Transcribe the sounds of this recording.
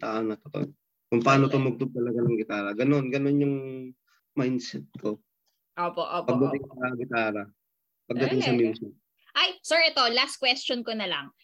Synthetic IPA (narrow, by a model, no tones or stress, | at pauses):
t̪aʔanɐt̪ot̪o̰j | kʊŋpɐaːnot̪omʊɡ̚t̪ʊɡ̚t̪ɐlɐɡanɐŋɡɪt̪aːɾɐɡɐno̞nɡɐno̞njʊŋ | majnd̪sɛt̪̚kʰo̞ | ʔoːpoʔoːpɐɡd̪ɐt̪ɪŋsɐɡɪt̪aːɾɐ | pɐɡ̚d̪ɐɪŋsɐminsɪn | ʔajsɛɹɛt̪olas̚kwɛst͡ʃonkonɐlɐŋ